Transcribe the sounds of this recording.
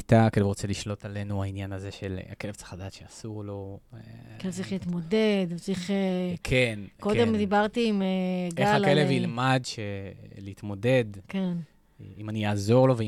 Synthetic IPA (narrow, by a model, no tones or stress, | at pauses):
it̪akelevʁo̞t͡seliʃlo̞talenuainjanaze̞ʃelake̞levt͡si̥χlad̪atʃeasuʁlo̞ | elet͡sʁiχliit̪mo̞dedt͡sʁiχekʰenko̞demd̪ibaʁt̪iːmeɡeaalkelevilmadʃeleit̪mo̞de̞dken | imanijaːzo̞ʁlo̞ve